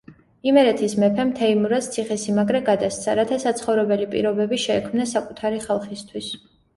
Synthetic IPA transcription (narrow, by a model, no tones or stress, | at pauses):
imɛɾɛt̪ʰismɛpʰɛmt̪ʰɛimuɾast̪sʰiχɛsimaɡɾɛɡad̪ast̪sʰaɾat̪ʰasat̪sʰχɔvɾɛbɛlipʼḭɾɔbɛbiʃɛːkʰmnasakʼut̪ʰaɾiχalˠχist̪ʰwis